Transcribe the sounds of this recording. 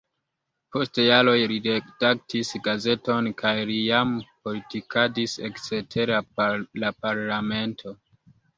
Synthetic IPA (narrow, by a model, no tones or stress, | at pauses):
po̞stjalo̞jɾidedak̚tisɡaze̞to̞nkʰajlijampo̞litikadisḛkt͡setʰe̞ɾalapaɾlame̞ntʰo̞